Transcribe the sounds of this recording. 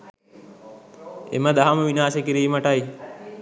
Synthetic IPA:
ḛməd̪aɦaməʋinaːsekiɾiːməʈaj

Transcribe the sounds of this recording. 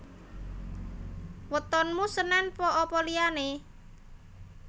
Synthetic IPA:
wət̪ɔnmusənɛnpɔʔɔpɔliane

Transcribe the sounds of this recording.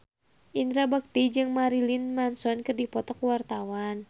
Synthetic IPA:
ʔinɾabak̚t̪id͡ʒɨŋmaɾilinmansɔnkɨrdipɔt̪ɔkwart̪awan

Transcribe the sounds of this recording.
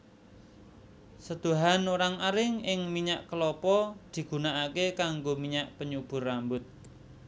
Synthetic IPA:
səd̪̥o̤ɦanoɾaŋaɾɪŋɪŋmiɲaʔkəlɔpɔd̪̥i̤ɡ̥ṳnaʔakekaŋɡomiɲaʔpəɲub̥ʊ̤rːambʊt̪̚

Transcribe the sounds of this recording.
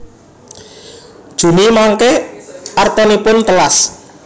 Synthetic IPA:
d̥ʒ̥ṳnimaŋkehʔart̪ɔnipʊnt̪əlas

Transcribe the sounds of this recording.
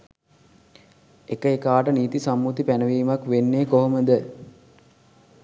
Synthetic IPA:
ekəekaːʈəniːt̪isamːut̪ipænəʋiːmakʋenːeːkoɦoməd̪ə

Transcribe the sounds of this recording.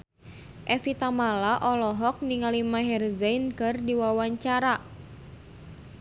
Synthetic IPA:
ʔɛfit̪amalaʔɔlɔɦɔk̚niŋalimaɦɛrzankɨrdiwawaɲt͡ʃaɾa

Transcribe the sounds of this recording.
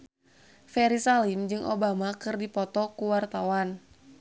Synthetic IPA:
fɛɾisalimd͡ʒɨŋʔobamakɨrdipɔt̪ɔkuwart̪awan

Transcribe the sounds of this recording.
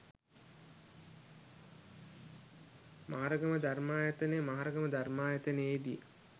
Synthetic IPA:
mʔaɦaɾəɡəməd̪armaːjət̪ənemaɦaɾəɡəməd̪armaːjat̪əneeːd̪ijə̰

